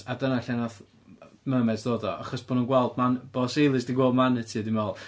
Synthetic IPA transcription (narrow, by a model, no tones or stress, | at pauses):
adənaɬanaθ | məːmɛdd̥oːdɔa̰χɔsb̥oːnuːnɡwɛlˠdmanb̥osejlˠɨsdiɡwoːlˠdmanətʰiːdinɛlˠ